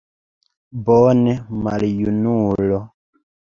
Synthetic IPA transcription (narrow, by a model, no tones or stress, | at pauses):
bɔnɛmaljunulɔ